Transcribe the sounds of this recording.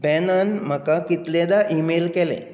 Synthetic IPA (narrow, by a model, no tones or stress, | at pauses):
bɛnanm̤əkakit̪led̪aʔimelkelḛ